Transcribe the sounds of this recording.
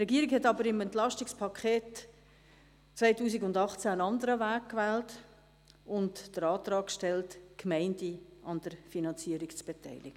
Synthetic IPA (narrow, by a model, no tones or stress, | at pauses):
trɛɡiːəɾɪkhɛtɑbəɾɪmɛntlɑʃtɪkspʰɑkʰχeːt | t͡svaɪtuːs̬iɡʊndɑχt͡sæənɑndəɾəvæːkkːvɛːlt | ʊntd̥əɾɑːtrɑːkʃtɛltkmɛɪndiɑnd̥əɾfinɑnt͡siːəɾikt͡sb̥etʰɛɪlɪɡ̥ə